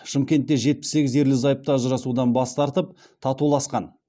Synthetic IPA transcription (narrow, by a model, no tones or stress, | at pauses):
ʃɪmkʲe̞nt̪ːe̞ʒe̞t̪̚pɪ̥sːe̞ɡʲɪze̞ɾlɪzɑjəp̚t̪ɑʒəɾɑsud̪ɑnbɑst̪ɑɾt̪əp | t̪ʰɑt̪ulˠɑsqɑn